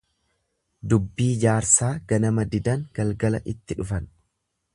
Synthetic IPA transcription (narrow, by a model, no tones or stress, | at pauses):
d̪ʊbːiːd͡ʒaːɾsaːɡɐnɐmɐd̪ɪd̪ɐŋɡ̥ɐlɡɐlɐʔɪt̪ːɪᶑʊfɐn